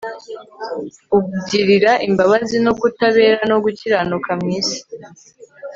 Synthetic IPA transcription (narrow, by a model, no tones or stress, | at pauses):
ukuɟiɾiɾaʔimbaβazino̞ɡutaβe̞ːɾano̞ɡuciɾanukʰamŋiːsi̥